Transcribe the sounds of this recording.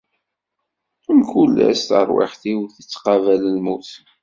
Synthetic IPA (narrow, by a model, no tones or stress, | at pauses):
əmkulːæst̪ə̰ɾˤwɪ̰ħθiwθət͡sːqɑvæləlmuθ